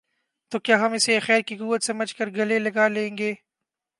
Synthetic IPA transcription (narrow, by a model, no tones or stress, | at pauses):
t̪oːkjaːɦɐmɪsexɛːɾkikuːʋət̪sɐməd͡ʒkəɾɡɐlelɐɡaːlẽːŋɡeː